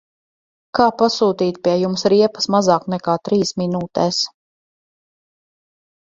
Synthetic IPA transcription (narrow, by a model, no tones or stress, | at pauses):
kaːpasuːt̪iːt̪̚piɛjumsɾiɛpɐ̥smazaːknɛkaːt̪ɾiːsminuːt̪ɛːs